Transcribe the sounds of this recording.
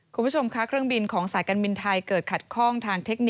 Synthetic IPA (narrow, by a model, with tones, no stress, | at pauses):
kʰu˧pʰt͡ɕʰo˧mkʰa˦˥kʰɾɯ˥˩əŋbi˧nkʰɔː˩˦ŋsaː˨˩˦jkaː˧nbi˧nt̪ʰa˧jkɤː˨˩t̪̚kʰa˨˩t̪̚kʰɔː˥˩ŋt̪ʰaː˧ŋt̪ʰe˦˥k̚ni˩